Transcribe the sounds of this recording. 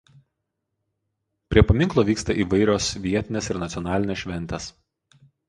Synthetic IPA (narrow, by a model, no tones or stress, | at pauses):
pʲɾʲiɛpɐmʲɪŋklˠoːʋʲiːkst̪ɐʔiːʋɐɪɾʲoːsʋʲiɛt̪ʲɪnʲɛsɪɾnɐt̪ʲɔnɑːlʲɪnʲɛsʃʲʋʲɛnʲt̪ʲɛs